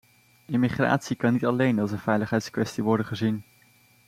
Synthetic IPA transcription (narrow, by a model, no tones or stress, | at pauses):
ɪmiχra̰ːtsikɑnːitɑlejnɑlˠs̬ənv̥ɛjləχɦɛjtskʋɛstiʋɔɹdənχəzin